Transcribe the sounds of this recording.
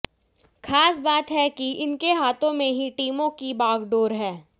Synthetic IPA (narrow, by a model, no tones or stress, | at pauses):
xʰaːsbaːt̪ɦɛkiɪnkeɦaːt̪ʰõmẽɦiʈiːmõkibaːɡɖoːɾɦɛː